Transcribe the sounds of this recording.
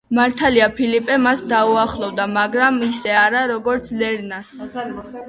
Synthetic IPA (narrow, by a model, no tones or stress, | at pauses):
maɾt̪ʰaliapʰilipʼɛmasd̪auaχlˠɔvd̪amaɡɾamisɛaɾaɾɔɡɔɾt̪sʰlɛɾnas